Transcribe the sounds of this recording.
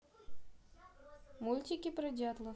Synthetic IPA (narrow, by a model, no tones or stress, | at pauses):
mulʲt̪ʲikʲipɾədʲat̪lˠə